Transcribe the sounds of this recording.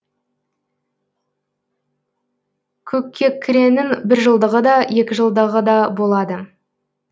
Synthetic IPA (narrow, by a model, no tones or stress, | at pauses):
kʲʰɵkʲʰːe̞kʲʰːɪɾe̞nɪŋbɪɾʒəlˠd̪əʁəd̪ɑje̞kʲɪʒəlˠd̪əʁəd̪ɑbo̞lˠɑd̪ə